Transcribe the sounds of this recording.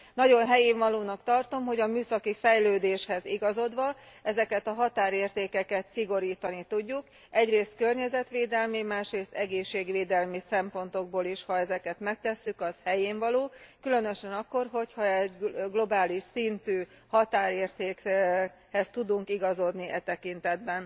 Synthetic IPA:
nɒɟo̞nɦɛjeːɱvɒloːnɒkt̪ɒrt̪o̞mɦo̞ɟɒmyːsɒkifɛjløːd̪eːʃhɛziɡɒzo̞d̪ʋɒɛzɛkɛt̪ɒɦɒt̪aːɾeːrt̪eːkɛkɛt̪siɡo̞ɾiːt̪ɒnit̪uɟːuk | ɛɟreːst̪̚kørɲɛzɛt̪ʋeːd̪ɛlmimaːʃreːst̪ɛɡeːʃːeːɡʋeːd̪ɛlmisɛmpo̞nt̪o̞ɡ̚boːliʃhɒɛzɛkɛt̪mɛk̚t̪ɛsːykɒshɛjeːɱvɒloːkylø̞nø̞ʃɛnɒkːo̞rɦo̞chɒɛɟɡlo̞baːliʃsint̪yː | hɒt̪aːɾeːrt̪eːk | hɛst̪ud̪uŋkiɡɒzo̞d̪niʔɛt̪ɛkint̪ɛd̪bɛn

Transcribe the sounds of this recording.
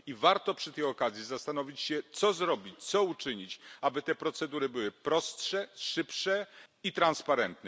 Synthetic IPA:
ivaɾt̪ɔpʂɘt̪ɛjɔkazʲjizast̪anɔvʲit͡ɕɕɛt̪sɔzɾɔbʲit͡ɕt̪sɔut͡ʂɘɲit͡ɕabɘt̪ɛpɾɔt̪sɛd̪uɾɘbɘwɘpɾɔstʂɛʂɘpʂɛit̪ɾanspaɾɛnt̪nɛ

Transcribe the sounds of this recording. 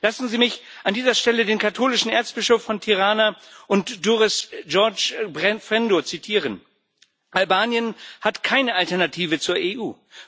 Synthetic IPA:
lasn̩ziːmɪçʔandiːzɐʃtɛlədeːnkʰatʰoːlɪʃn̩ʔeɐt͡sb̥ɪʃofːɔntʰiʁaːnaʔʊntd̥uʁɪsʒɔɐt͡ʃbʁɛfʁɛndot͡sitʰiːʁən | ʔalbaːnjənhatkʰaɪnəʔaltɛɐnatʰiːvət͡suːɐʔeːʔuː

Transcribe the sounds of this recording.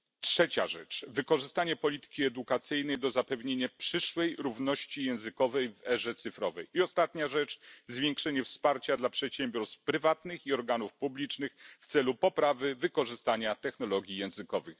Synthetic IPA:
tʂɛt͡ɕa̰ʐɛt͡ʂvɘkɔʐɘst̪aɲɛpɔlʲit̪ɘ̥kʲiɛd̪ukat̪sɘjn̪ɛjd̪ɔzapɛvɲeɲapʂɘʂwɛjɾuvnɔɕt͡ɕijɛ̃w̃zɘkɔvɛjvɛʐɛt̪sɘfɾɔvɛjiɔst̪at̪ɲaʐɛt͡ʂzvʲjeŋkʂɛɲɛfspaɾt͡ɕad̪lapʂɛt̪ɕɛmbʲjɔɾst̪fpɾɘvat̪nɘxiɔɾɡanufpublʲit͡ʂnɘxft̪sɛlupɔpɾavɘvɘkɔʐɘst̪aɲat̪ɛxnɔlɔɡʲjijɛ̃w̃zɘkɔvɘx

